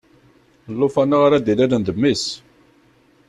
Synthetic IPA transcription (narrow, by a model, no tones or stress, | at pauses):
əlːofanːaʁaɾad̪ilæɾənd̪əmːis